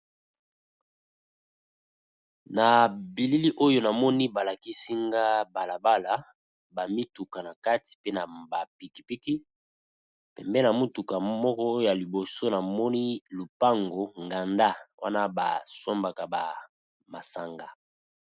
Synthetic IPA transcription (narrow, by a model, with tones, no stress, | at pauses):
na˨bi˨li˦li˦ʔo˦jo˦na˨mɔ˦ni˦ba˨la˨ki˦si˦ŋɡa˦ba˨la˨ba˦la˦ | ba˨mi˦tu˨ka˨na˨ka˦ti̥˨pe˦na˨ba˨pi˨ki̥˨pi˦ki˦ | pɛ˨mbɛ˦na˨mu˦tu˨ka˨mɔ˦kɔ˦o˦jo˨ja˨li˨bo˨so˦na˨mɔ˦ni˦lu˨pa˦ŋɡo˨ŋɡa˨nda˦wa̰˦na˦ba̰˨so˦mba˨ka˨ba̰˨ | ma˨sa˨ŋɡa˨